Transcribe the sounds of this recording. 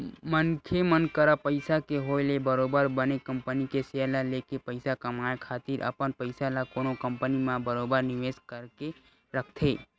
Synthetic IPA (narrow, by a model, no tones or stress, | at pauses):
mənkʰemənkəɾapəɪsakeɦolebəɾobəɾbənekəmpənikeselalekepəɪsakəmajekʰaːt̪ɪɾʔə̰pənpəɪsalakonokəmpənimãbəɾobəɾnɪʋeskəɾke | ɾəkʰt̪ʰe